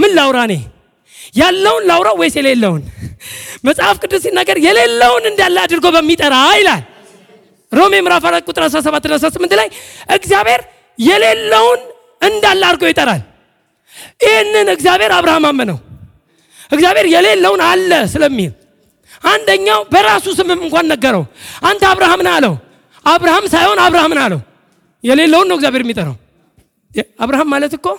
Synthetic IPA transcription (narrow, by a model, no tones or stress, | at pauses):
mɨnlawɾane̞̰ | jalːəwʊnlawɾawɔjsɛlelːəwun | məsʼhafkʼɨd̪ːɨmsinːaɡəɾjɛle̞lːəwʊnɨnd̪alːəad̪ɨɾɡo̞bəmːit̪ʼəɾajlal | ɾo̞me̞mɨɾafaɾakʼʊt̪ʼɨɾas̬ɾas̬əβat̪ːɨnasɾasɨmːɨnt̪lajʔɨɡzijaβhe̞ɾ | jɛle̞lːəwʊn | ɨnd̪alːaɾɡo̞jɪt̪ʼəɾal | ɪhenːɨnɨɡzjaβhe̞ɾaβɾahamamːənə̰w | ʔɨɡzjaβe̞ɾjɛle̞lːəwʊnalːəsɨləmːihɪl | ʔand̪əɲːawbəɾasusɨmɨmːɨŋkʷʰanːəɡːəɾə̰wʔant̪aβɾahamnaləw | ʔaβɾahamsajho̞naβɾahamnalə̰wu | jɛle̞lːəwunːəwɨɡzjaβhe̞ɾjɛmːit̪ʼəɾə̰w | aβɾahamːalət̪ɨkːo